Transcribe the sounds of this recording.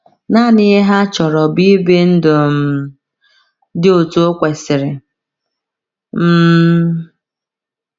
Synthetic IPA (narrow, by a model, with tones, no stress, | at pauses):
na˦˨nɪ˦ɦa˦t͡ʃɔ˨ɾɔ˨bi˦be˦n̩˦dʊ˨m̩˨ | dɪ˦o˨to˦kʷe˨sɪ˨ɾɪ˨ | m̩˦